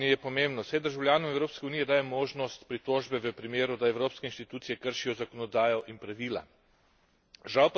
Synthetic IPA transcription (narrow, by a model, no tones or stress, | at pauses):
ijɛpɔmembnɔsɛjd̪əɾʒawljaːnɔmɛwɾoːpskɛuniːjɛd̪aːjɛmoːʒnɔst̪pɾit̪oːʒbɛʋəpɾimeːɾud̪aɛwɾoːpskɛinʃt̪it̪uːt̪sijɛkəɾʃijɔzakɔnɔd̪aːjɔʔinpɾaʋiːla̰ | ʒawpa